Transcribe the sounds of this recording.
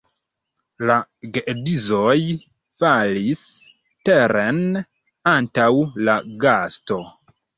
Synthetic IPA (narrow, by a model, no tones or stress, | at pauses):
laɡeʔedizoj | falis | teɾen | antawlaɡasto̞